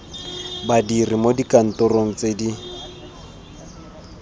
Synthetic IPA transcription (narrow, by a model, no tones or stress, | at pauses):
badirimodikʼan̩tʼʊroŋ̩t͡sʼedi